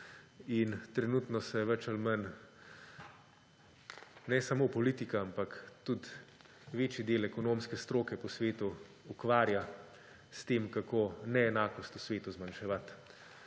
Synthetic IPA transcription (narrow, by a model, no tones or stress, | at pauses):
int̪ɾɛnut̪nɔsɛʋɛt͡ʃalmən | nɛsamoːpɔlit̪ikaampakt̪ut̪ | ʋeːt͡ʃjid̪eːlɛkɔnoːmskɛst̪ɾoːkɛpɔsʋeːt̪uː | kʋaːɾja | st̪eːmkakʰoːnɛːnaːkɔst̪usʋeːt̪uzmanʃɛʋat̪